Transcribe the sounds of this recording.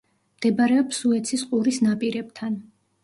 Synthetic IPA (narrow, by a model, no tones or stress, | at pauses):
md̪̥ɛbaɾɛɔpsuɛt̪sʰisqʼuɾisnapʼiɾɛb̚t̪ʰan